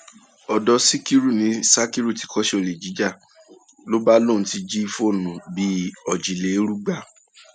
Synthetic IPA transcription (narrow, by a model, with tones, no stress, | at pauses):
ɔ˨dɔ˨˧si˦ki˦ɾu˦˨nĩ˨˦sa˦ki˦ɾu˦˨ti̥˨˦kɔ˦ʃɛ˦o˧˨le˨d͡ʒi˨˦d͡ʒa˦˨ | lo˦ba˦lo˦˨n̩˨˦ti˧d͡ʒi˦fo˦˨nũ˨bi˦ɔ˨d͡ʒi˨le˨˦ɾu˦ɡ͡ba˦˨